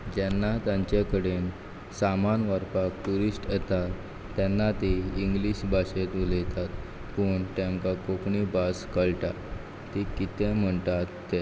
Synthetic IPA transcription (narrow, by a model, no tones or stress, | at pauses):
d͡ʑɛnːat̪jãɲt͡ɕakəɽen | samanʋəɾpak̚ʈuɾisʈjɛt̪at̪ː | ɛnːat̪eiŋɡliɕbʱaɕet̪ulet̪at̪ | pəɳʈ̪ãŋkakokɳibaskəɭʈaː | ikit̪ẽm̤əɳt̪at̪ːe